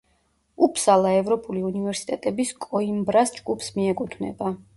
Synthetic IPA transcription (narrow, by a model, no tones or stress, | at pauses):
upʰsalˠaɛvɾɔpʼuliunivɛɾsi̥t̪ʼɛt̪ʼɛbiskʼɔimbɾasd͡ʒɡupʰsmiɛkʼut̪ʰnɛ̰ba